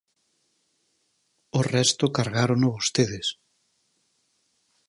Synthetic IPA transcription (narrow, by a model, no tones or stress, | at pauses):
orɛst̪okaɾɣaɾonoβost̪eðɪs